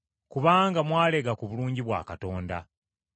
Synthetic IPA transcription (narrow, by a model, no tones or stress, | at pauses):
kuβaːŋɡamwaːle̞ɡakuβuluːɲɟiβwa̰ːkato̞ːnda̰